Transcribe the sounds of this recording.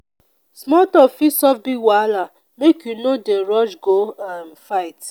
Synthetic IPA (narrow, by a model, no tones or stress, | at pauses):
smɔtɔfisɔfbiwala | mekjunodeɾɔd͡ʒɡoamfaɪt